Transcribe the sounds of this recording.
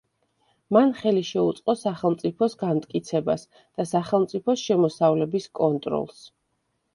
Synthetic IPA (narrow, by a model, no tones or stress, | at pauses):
manχɛliʃɛut̪sʼqʼɔsaχɛlˠmt̪sʼipʰɔsɡamt̪ʼkʼit̪sʰɛba̰s | d̪̥asaχɛlˠmt̪sʼipʰɔsʃɛmɔsavlɛbiskʼɔnt̪ʼɾɔ̰lˠs